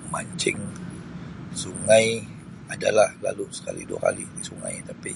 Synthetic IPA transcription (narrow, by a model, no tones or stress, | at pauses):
maɲt͡ʃɪŋ | suŋaj | adalahlalusə̥kalḭduakalidisuŋa̰jt̪api